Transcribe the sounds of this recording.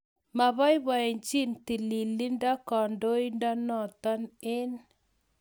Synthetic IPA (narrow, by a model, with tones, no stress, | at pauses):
ma˨βɔ˦i˦ba˨e˨ɲt͡ʃi˦nt̪i˨li˨li˦nda˦kɔ˨ndo˦i˦nda˦nɔ˨t̪ɔ˦nɪ˦n